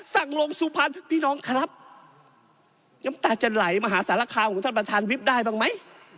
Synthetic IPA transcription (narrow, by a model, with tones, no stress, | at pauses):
sa˧˩ŋlo˧ŋsuː˧˦pʰa˧˥npʰiː˧˥˨nɔː˧˥ŋkʰa˧na˦˥p̚ | ŋa˧˦˥mt̪aː˧˩t͡ɕa˧˩nla˨˦jmaː˧ɦaː˨˦saː˨˦la˧˩kʰaː˧wkʰɔ˨˦t̪ʰa˥˩p̚t̪ʰaː˧˥˨nwi˦˥p̚daː˥˩jbaː˧˩ŋma˦˥˨j